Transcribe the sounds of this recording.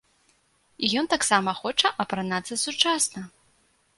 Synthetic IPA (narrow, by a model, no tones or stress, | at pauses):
ijɔnt̪aksamɐxɔt͡ʂɐʔɐpɾanat̪sːɐsut͡ʂasnɐ